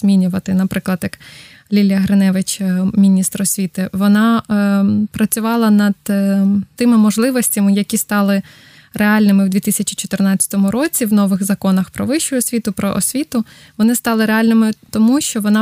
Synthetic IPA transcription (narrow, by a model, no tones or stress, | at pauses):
zmʲinʲʊʋɐt̪ɪnɐpɾɪklˠɐd̪jɐk | lʲilʲjɐɦɾenɛʋɪt͡ʃmʲinʲist̪ɾɔsʲʋʲit̪ɪʋɔnɑ | pɾɐt͡sʲʊʋɑlˠɐnɐd̪̚ | t̪ɪmɪmɔʒlˠɪʋɔsʲtʲɐmɪjɐkʲist̪ɑlˠɪ | reɑlʲnɪmɪwd̪ʋʲit̪ɪsʲɐt͡ʃi̥t͡ʃɔt̪ɪrnɑt͡sʲɐ̥t̪ɔmʊɾɔt͡sʲiwnɔʋɪxzɐkɔnɐxpɾɔʋɪʃʊɔsʲʋʲit̪ʊpɾɔ̰ʔɔsʲʋʲit̪ʊ | ʋɔnɪst̪ɑlˠɪɾeɑlʲnɪmɪt̪ɔmuʃt͡ʃɔʋɔnɑ